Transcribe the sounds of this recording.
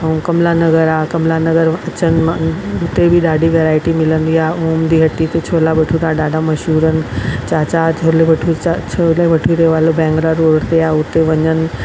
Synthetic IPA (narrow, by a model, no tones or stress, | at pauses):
əũkɐmlanɐɡəɾakɐmlanɐɡəɾɐt͡ɕənɪ̆mãʊt̪ebʱiɗaːɖiʋeːɾaːɪʈimɪlə̃nd̪iaːoːmd̪iɦɐʈːit̪et͡ɕʰoːlabɐʈʰuɾaɗaːɖamɐʃɦuːɾənɪ̆t͡ɕaːt͡ɕat͡ɕʰoleʋɐʈʰuat͡ɕʰoleʋɐʈʰuɾɐoʋaːlobɛ̃ːŋɡlaɾoːɽt̪eaʊt̪eʋɐɲənɪ̆